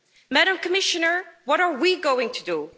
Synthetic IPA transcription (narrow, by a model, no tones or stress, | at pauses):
mæɾə̃mkʰəmɪʃɨnə˞wʌɾə˞wiɡoʊɪ̃ŋtʰɨdu